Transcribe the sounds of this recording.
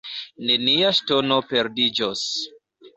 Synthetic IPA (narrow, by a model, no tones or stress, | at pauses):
ne̞niaʃtono̞pe̞ɾdid͡ʒos